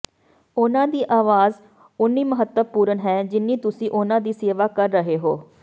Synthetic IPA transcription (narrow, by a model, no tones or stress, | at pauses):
ʊnãːd̪iːʔaːʋaːz | ʊnːiːməɦət̪ːəpuːɾənɦɛːd͡ʒɪnːiːt̪ʊsĩːʔʊnãːd̪iːseːʋaːkəɾːəɦeːɦoː